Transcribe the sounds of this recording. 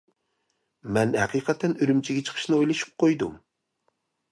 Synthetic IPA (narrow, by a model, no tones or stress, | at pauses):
mɛnhɛ̰qiːqʰɛt̪ʰɛnyɾymt͡ʃʰiɡʲɛt͡ʃʰə̥χʰə̥ʃnɨojlˠɑʃɨ̥p̚qʰojd̪ṵm